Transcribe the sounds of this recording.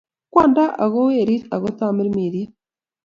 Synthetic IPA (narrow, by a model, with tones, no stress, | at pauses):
kwaː˦˨nda˦ʔa˨ɣo˦we˨ɾi˦ɾa˨ɣo˦t̪aː˦mi˦ɾimi˨ðia˦